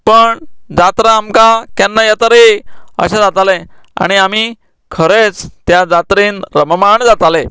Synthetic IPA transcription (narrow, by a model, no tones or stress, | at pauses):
pəɳd͡zat̪ɾaːmkakanːajat̪əɾeə̰ɕãd͡zat̪alẽa̰ɽ̃iam̤i | kʰəɾet͡st̪jad͡zat̪ɾiːnɾəməmaɳd͡zat̪ale